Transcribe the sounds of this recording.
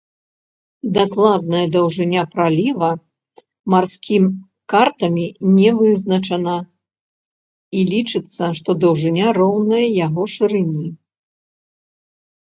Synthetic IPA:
d̪aklˠad̪̚nɐjɐd̪ɐwʐɨnʲapɾalʲivɐ | marsʲkʲʰim | kart̪ɐmʲinʲɛvɨznɐt͡ʂɐnɐ | ilʲit͡ʂɨt̪sːɐʂt̪ɔd̪ɐwʐɨnʲaɾɔwnɐjɐjaɣɔʂɨɾɨnʲi

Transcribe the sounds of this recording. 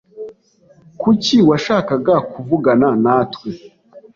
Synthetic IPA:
kuciwaʃaːkaɡakuvuɡananaːtwe

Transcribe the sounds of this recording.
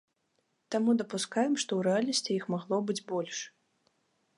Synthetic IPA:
t̪amud̪ɐpuskajɛmʂt̪ɔwɾɛalʲnɐsʲt͡sʲijixmaɣlˠɔbɨd͡zʲbɔlʲʂ

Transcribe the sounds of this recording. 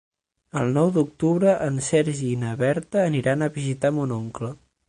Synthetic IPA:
əlˠnɔwd̪uk̚t̪uβɾəʔənsɛɾʒiːnəβɛɾt̪əːniɾanəβizit̪amunoŋklə

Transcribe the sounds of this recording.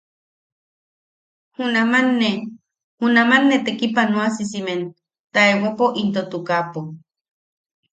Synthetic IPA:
hunamanːe | hunamanːet̪ekipanũasisimen | t̪aewapoʔint̪ot̪ukapo

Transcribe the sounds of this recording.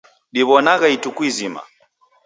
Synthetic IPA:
ɗiβɔnaɣaitukwizima̰

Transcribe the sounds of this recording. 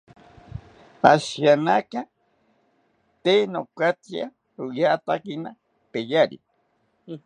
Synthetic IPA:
aʃjanaka | t̪eːnokat͡sja̰ | ɾujat̪akina | pejaɾḭ

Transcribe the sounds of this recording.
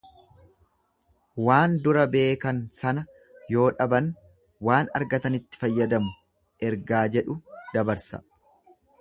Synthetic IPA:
waːnd̪ʊɾɐbe̞ːkɐnsɐnɐ | jo̞ːᶑɐbɐn | waːnɐ̰ɾɡɐt̪ɐnɪt̪ːɪ̥fɐjːɐd̪ɐmʊ | ʔɛɾɡaːd͡ʒɛᶑʊd̪̥ɐbɐɾsɐ̰

